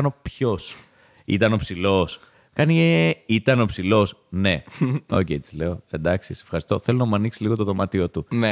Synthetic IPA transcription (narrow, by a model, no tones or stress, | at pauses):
nopço̞s | ḭt̪ɐno̞psilo̞s | kɐnieit̪ɐno̞psilo̞sne̞o̞̰cejt̪i̥zle̞o̞e̞̰nd̪ɐksisefxɐɾist̪o̞θe̞lonɐmuɐniksiliɣo̞t̪oðo̞mɐt̪io̞t̪un